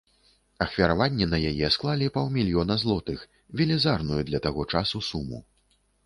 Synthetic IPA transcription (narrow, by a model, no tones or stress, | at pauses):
ɐxvʲɐɾavanʲːɛnɐjajɛsklˠalʲipawmʲilʲjɔnɐzlˠɔt̪ɨx | vʲɛlʲɛzarnujud̪lʲɐt̪aɣɔt͡ʂasusumṵ